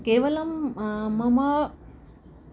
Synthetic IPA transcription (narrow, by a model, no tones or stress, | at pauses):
keːʋɐlɐmmɐmɐ